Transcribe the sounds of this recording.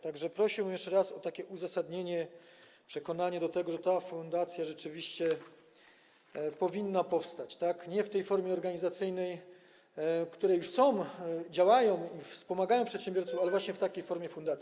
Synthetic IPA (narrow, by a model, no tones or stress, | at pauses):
t̪aɡʐɛpɾɔɕiwmjɛʂt͡ʂɛɾasɔt̪akʲɛʔuzasad̪ɲeɲɛ | pʂɛkɔnaɲad̪ɔt̪ɛɡɔʐɛt̪afund̪at̪sʲjaʐɛt͡ʂɘvʲiɕt͡ɕɛ | pɔvʲinːapɔfst̪at͡ɕt̪akɲɛft̪ɛjfɔɾmʲjɛɔɾɡaɲizat̪sɘjnɛj | kt̪uɾɛjuʂsɔ̃w̃d͡ʑawajɔ̃w̃ifspɔmaɡajɔ̃w̃pʂɛt̪ɕɛmbʲjɔɾt̪sufalɛvwaɕɲɛft̪akʲejfɔɾmʲjɛfund̪at̪sʲi